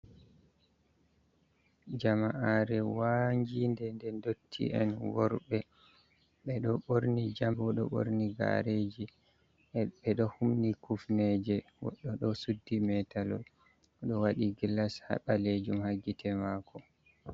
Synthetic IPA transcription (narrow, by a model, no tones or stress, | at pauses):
d͡ʒamaʔaɾɛwaɲd͡ʒindɛndɛndotʰːḭʔɛ̰nwɔɾɓɛ | ɓɛɗɔɓoɾnid͡ʒambɔɗɔ̰ɓo̰ɾniɡa̰ɾed͡ʒi | ɛɓɛɗɔhumnikufnɛd͡ʒɛwɔ̰ɗɔɗɔsudːimɛtalɔ̰l | ɗɔwaɗiɡilasha̰ɓaled͡ʒumhaɡitʰɛmaːkʰɔ